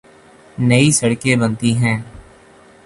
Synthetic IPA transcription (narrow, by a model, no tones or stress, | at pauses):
nɐisɐɽkebə̃nt̪iɦɛ̃ː